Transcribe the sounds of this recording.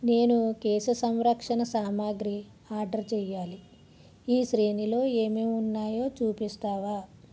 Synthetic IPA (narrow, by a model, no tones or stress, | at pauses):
ne̞ːnukeːsɐsɐmɾɐkʂɐnɐsaːmaːɡɾi | aːɾɖɐɾt͡ʃɛːjaːli | iːʃɾeːnilo̞ːeːmeːunːaːjo̞ːt͡ʃuːpist̪aːʋaː